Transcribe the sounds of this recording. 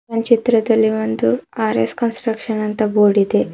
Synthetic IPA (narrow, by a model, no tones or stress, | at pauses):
ɐnt͡ʃit̪ɾɐd̪ɐlːimɐnd̪uaɾḛskɐnsʈɾɐkʂɐnɐnt̪ɐboːɽid̪e